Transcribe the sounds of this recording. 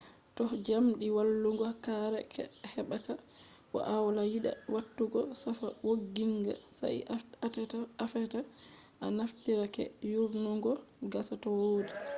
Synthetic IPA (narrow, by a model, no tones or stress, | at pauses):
tɔhd͡ʒamɗiwalːuŋɡɔkaɾɛkʰɛ̰hɛɓaka | wɔ̰ʔawalajiɗa̰watːuɡɔsafa̰woɡːiŋɡa̰sa̰j̰ttaafɛta | ʔanaftiɾakɛ̰juɾnuŋɡɔɡasatɔwoːdi